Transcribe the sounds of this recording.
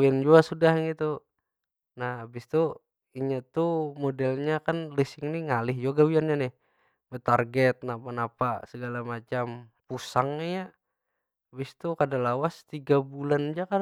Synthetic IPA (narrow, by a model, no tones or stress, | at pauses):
wiand͡ʒuasudahŋit̪u | nahabɪst̪u | iɲat̪umodɛlɲakanlisɪŋniŋalɪɦd͡ʒoɡawianɲanɪh | bət̪arɡɛt̪̚napanapasəɡalamat͡ʃam | pusaŋnija | bɪst̪ukadalawast̪iɡabuland͡ʒaka